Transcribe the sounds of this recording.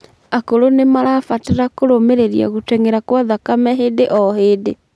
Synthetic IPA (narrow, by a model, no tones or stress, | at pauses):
akoɾonemaɾafateɾakoɾomeɾeɾja̰ɣotɛŋeɾakwaðakamɛɦedeʔɔhede